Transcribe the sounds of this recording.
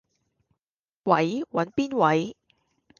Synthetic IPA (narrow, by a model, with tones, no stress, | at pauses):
wɐ˨˥jwɐ˨˧˥npiː˥nwɐ˨˥j